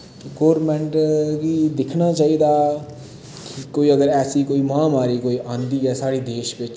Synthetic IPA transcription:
teɡoːɾmɛ̃ɳʈkid̪ɪkʰnaːt͡ʃaːiːd̪aː | kɪkoːiːəɡəɾɛːsiːkoːiːmãːmaːɾiːkoːiːʔãːnd̪iːɛːsaːɽiːd̪eːʃbɪt͡ʃ

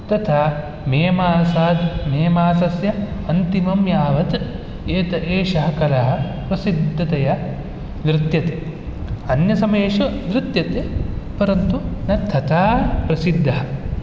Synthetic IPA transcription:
t̪ɐt̪ʰa | meːmaːsaːd̪meːmaːsɐsjɐɐnt̪imɐmjaːʋɐt̪ | eːt̪ɐʔeːʂɐɦɐkɐlɐɦɐ̆pɾɐsid̪ʱːɐt̪ɐjɐ | nɾɪt̪jɐt̪e | ɐnjɐsɐmeːʂɐnɾɪt̪jɐt̪epɐɾɐnt̪unɐt̪ʰːɐt̪ʰaːpɾɐsid̪ʱːɐɦɐ

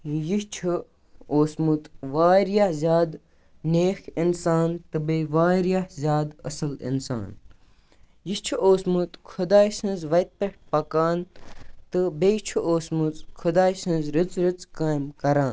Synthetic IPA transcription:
jit͡ʃʰu | oːsmut̪ʋaːɾijahzʲjaːd̪ | neːxʰinsaːnt̪ɨbeʋaːɾijahzʲjaːd̪ɐ̰sɐlḭnsa̰ːn | jist͡ʃʰuʔoːsmut̪kʰʊd̪aːjsɨ̃nzʋɐjt̪̚peʈ̚pɐkaːnt̪ɨbet͡ʃʰuoːsmut͡skʰud̪aːjsĩnzɾit͡sɾit͡skaːjmkɐɾaːn

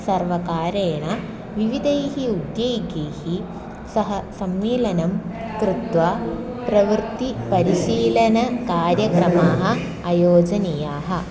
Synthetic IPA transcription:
sɐɾʋɐkaːɾeːɳa | ʋiʋid̪ʱɐjɦiud̪joːɡeːhi | sɐɦɐsɐmːiːlɐnɐm | kɾut̪ʋaː | pɾɐʋɾt̪ipɐɾiʃiːlɐnɐkaːɾjɐkɾɐmaːɦɐ̆ | ajoːd͡ʒɐnijaːɦɐ̆

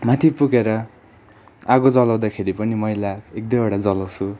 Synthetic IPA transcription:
mat̪ʰipukeɾʌ | aɡod͡zʌlaw̃d̪akʰeɾipʌnimʌɦilaek̚d̪ʌoɽad͡zʌlawt͡sʰu

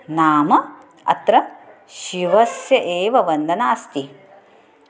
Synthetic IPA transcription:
naːmɐ | ɐ̰t̪ɾɐ | ʃiʋɐsjɐʔeːʋɐʋɐnd̪ʱɐnaːst̪i

